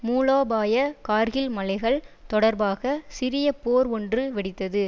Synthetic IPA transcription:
muːloːbaːjɐkaːɾɣɪlmɐlɐɪɣɐɭt̪ɔɽɐɾbaːɣɐsɪɾɪjɐpoːɾɔndrɯʋɛɽɪt̪ːɐðɯ

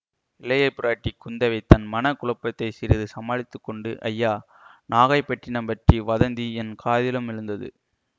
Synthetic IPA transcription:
ɪlɐjɐɪpːʊɾaːʈːikːʊnd̪ɐʋɐɪt̪ːɐnmɐnɐkʊɭɐpːɐt̪ːɐɪsɪɾɪðɯsɐmaːɻɪt̪ːɯkːɔɳɖɯʔɐ̰jːaː | naːɣɐɪpːɐʈrɪnɐmpɐʈriʋɐðɐnd̪iɛnkʰaːðɪlɐmɪɻɯnd̪ɐðɯ̰

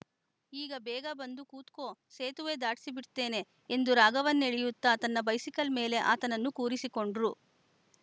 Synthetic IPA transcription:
iːɡɐbɛːɡɐbɐnd̪ukuːt̪ko̞ːseːt̪uʋe̞ːd̪aːʈi̥sibiɽt̪ːe̞ːne̞ː | nd̪uɾaːɡɐʋɐnːeɭijut̪ːɐt̪ɐnːɐbɐjsikɐlme̞ːle̞ʔa̰ːt̪ɐnɐnːukuːɾisiko̞ɳɖɾu

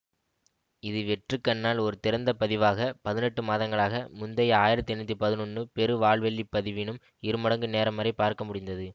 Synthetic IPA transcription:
ɪðɯʋɛʈrɯkːɐnːaːlɔɾɯt̪ɪɾɐnd̪ɐpɐðɪʋaːɣɐpɐðɪnɛʈːɯmaːðɐŋɡɐɭaːɣɐmʊnd̪ɐjaːjɪɾɐt̪ːɪɛnːɐt̪ːipɐðɪnɔɳːɯpɛɾɯʋaːɭʋɛɭːipːɐðɪʋɪnɯm | ɪɾɯmɐɽɐŋɡɯneːɾɐmːɐɾɐɪpːaːɾkɐmʊɽɪnd̪ɐðɯ

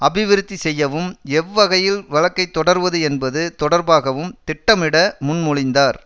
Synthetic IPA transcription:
ɐbɪʋɪɾɯt̪ːisɛjːɐʋɯmɛʋːɐɣɐjɪlʋɐɭɐkːɐɪt̪ːɔɽɐɾʋɐðɯɛnbɐðɯt̪ɔɽɐɾbaːɣɐʋɯmt̪ɪʈːɐmɪɽɐmʊnmʊɻɪnd̪aːɾ

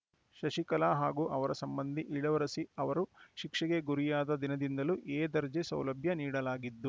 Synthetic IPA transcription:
ʃɐʂikɐlaːɦaːɡuːʔɐʋɐɾɐsɐmbɐnd̪ʱiʔiɭɐʋɐɾɐsiɐʋɐɾuʃikʂɛɡeɡuɾijaːd̪ɐd̪inɐd̪ind̪ɐluʔeːd̪ɐɾd͡ʒisɐ̰wlɐbʱjɐniːɽɐlaːɡid̪ːu

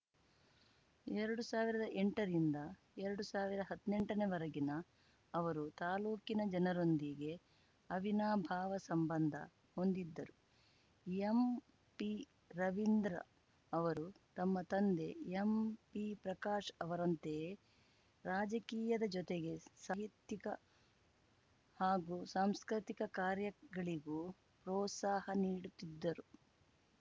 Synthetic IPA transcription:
ɛɾɐɽusaːʋiɾɐd̪ɐʔeɳʈɐɾind̪ɐ | ɛɾɐɽusaːʋiɾɐɐɦɐd̪ne̞ɳʈɐneʋɐɾɐɡinɐː | ʋɐɾut̪aːluːkinɐd͡ʒɐnɐɾo̞nd̪iɡe̞ | ɐʋinaːbʱaːʋɐsɐmbɐnd̪ʱɐ̰ | ho̞nd̪id̪ːɐɾu | em | pi | ɾɐʋind̪ɾɐ̰ː | ʋɐɾu | t̪ɐmːɐt̪ɐnd̪e̞empipɾɐkaːʃɐʋɐɾɐnt̪e̞ | ɾaːd͡ʒɐkiːjɐd̪ɐd͡ʒɔt̪eɡe̞saɦit̪jikɐ | haːɡusaːmskɾit̪ikɐkaːɾjɐɡɐɭiɡu | pɾɔːt̪saːhɐniːɽut̪ːid̪ːɐɾu

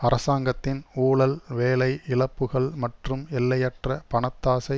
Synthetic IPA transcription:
ɐɾɐsaːŋɡɐt̪ːɪnuːɭɐlʋeːlɐɪɪlɐpːɯɣɐɭmɐʈrɯmɛlːɐjɐʈrɐpɐɳɐt̪ːaːsɐɪ

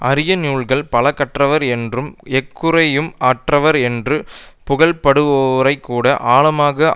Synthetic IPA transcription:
ʔɐɾɪjɐnjuːɭɣɐɭpɐlɐkːɐʈrɐʋɐɾɛndrɯmɛkːɯɾɐjɯmaːʈrɐʋɐɾɛndrɯpʊɣɐɭpɐɽɯʋɐʋɐɾɐɪkːuːɽɐʔaːɭɐmaːɣɐ

